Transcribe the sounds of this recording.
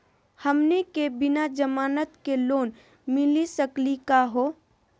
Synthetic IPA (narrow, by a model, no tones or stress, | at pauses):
həmnekebɪnad͡ʒəmaːnət̪keloːn | mɪlisəklikaɦoː